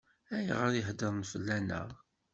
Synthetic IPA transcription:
æjʁəɾjəɦd̪əɾˤnfəlːænə̰ʁ

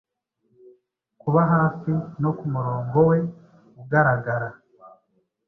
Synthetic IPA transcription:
kuβaɦaːsino̞kumuɾo̞ːŋɡo̞we̞ | uɡaɾaɡaɾa

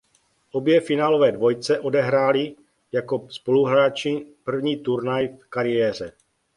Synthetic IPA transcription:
ʔo̞bjɛfɪnaːlo̞vɛːdvo̞jt͡sɛʔo̞dɛɦɾaːlɪ | jako̞spo̞luɦɾaːt͡ʃɪpr̩vɲiːt̪uɾnajfkaɾɪjɛːr̝ɛ

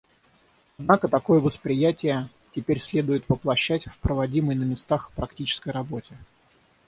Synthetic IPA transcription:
ɐd̪nakət̪ɐko̞jəvəspɾʲɪjætʲɪjə | tʲɪpʲeɾʲsʲlʲe̞d̪ʊjɪt̪vəplˠɐɕːætʲfpɾəvɐdʲiməjnəmʲɪst̪axpɾɐktʲit͡ɕɪ̥skəjɾɐbo̞tʲɪ

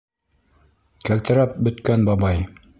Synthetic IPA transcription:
kælt̪ɘ̆ɾæp̚bɵ̆t̪kænbɑbɑj

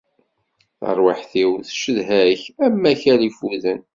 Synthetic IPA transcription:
θə̰ɾˤwaħθiwθʃəðɦæçæmːæçæɾifuðən

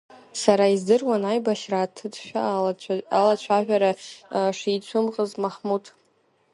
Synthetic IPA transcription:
saɾaizdɨrwanajbaʃraːtʰɨtʰʃᶣa | alat͡ɕʷʰaʒᶣaɾaʂit͡ɕʷʰʊmqʼəzmaχmutʰʼ

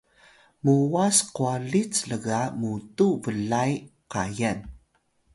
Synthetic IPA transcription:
muwasqualit͡sləɡamutuvəɮajqajan

